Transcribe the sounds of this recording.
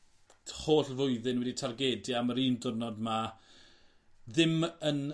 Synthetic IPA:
hoːɬvʊɨðɨnwɛditʰarɡeːdɨaməɾiːndʊrnɔdma | ðɪmən

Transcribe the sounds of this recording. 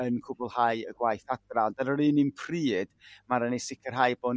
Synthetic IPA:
ənkʰʊbʊlˠhaɨəɡwajθadrandaɾəɾɨːnɨnpʰriːd̥maɾənisɪkʰərɦajboːn

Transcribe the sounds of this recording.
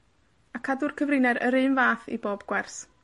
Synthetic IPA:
akʰadʊrkʰəvrɨnɛɾʔə̰ɾɨnvaːθḭboːbɡ̥wɛrs

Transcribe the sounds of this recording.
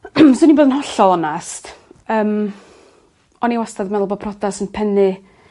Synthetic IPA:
soniboːdənɦɔɬɔlˠɔnastəːm | ɔniwastʰadəmɛlˠbɔpʰrɔdasənpʰɛnɨ

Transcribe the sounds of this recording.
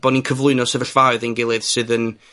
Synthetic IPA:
b̥ɔninkʰəvlˠʊɨnɔsəvəɬvaɨðənɡɪlˠɨðsɨðən

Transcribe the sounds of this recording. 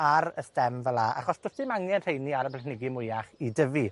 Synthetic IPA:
aɾəstɛmvəlˠaʔa̰χɔsd̥ʊstɪmaŋɛnr̥ejniaɾəpʰɛχnɪɡimʊjaχidəvi

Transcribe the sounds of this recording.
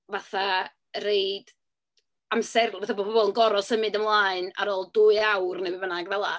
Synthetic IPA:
vaθa | reɨd̥ | amsɛrvaθabɔbʰɔbɔlˠənɡɔɾɔsəmɨdəmlˠaːɨna̰ɾoːlˠduɨawrnewivənaɡvɛlˠa

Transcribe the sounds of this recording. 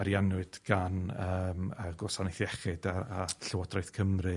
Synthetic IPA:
aɾjanwɨd̥ɡ̥anəːməɡɔsanɪjθjɛχɨdaaɬəwɔdrɔjθkʰəmrɨ

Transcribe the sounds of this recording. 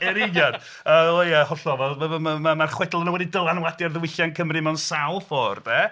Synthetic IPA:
ɛɾɪnjad | əːojahɔɬɔvɛlˠəmamamarχwɛdlˠənəwɛdidəlˠanwadarðəwɪɬjankʰəmrimɛwnsalˠfɔːrbɛ

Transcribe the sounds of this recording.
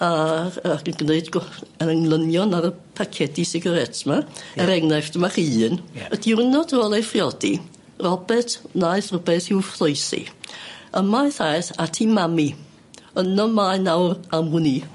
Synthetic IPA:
aakənɡ̥neɨdɡɔənəŋlˠənjɔnaɾə | pʰakʰɛdisɪɡaɾɛtʰmaɛɾɛŋnɛfd̥əmaχɨːnədirnɔdoːlˠefrjɔdḭ | rɔbɛtʰnaɨθrəbɛθɪwflˠɔɨsḭəmajθajθatʰimami | ənɔmaɨnawramʊni

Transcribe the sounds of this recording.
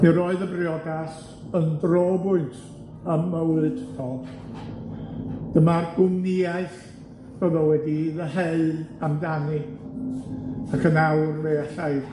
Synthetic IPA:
niɾɔːɨðəbriɔdas | əndroːbʊɨntʰ | əməwɨdnɔlˠ | d̥əmarɡʊmnɪaɨθ | b̥ɛvɔwɛdiðəɦeɨamdanɨ | akʰənawrmeːaɬaj

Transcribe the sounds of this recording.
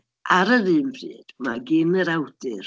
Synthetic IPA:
ʔaɾəðɨːmvrɨ̰ːd̥maɡɪnəɾawdɨr

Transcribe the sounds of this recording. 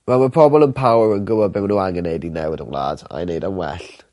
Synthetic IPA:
wɛlˠmapʰr̥ɔbɔlˠənpʰawɹənɡʊbɔbɪwnuːaŋənejdinɛwɪdə̰wlˠa̰ːd̥a̰jnejdanwɛ̰ɬ

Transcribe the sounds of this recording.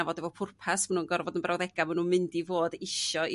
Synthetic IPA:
avɔdɛvɔpʰʊrpʰasmanuːnɡɔrvɔdənmbrawðɛɡamanuːnmɨndivoːdɪʃɔ

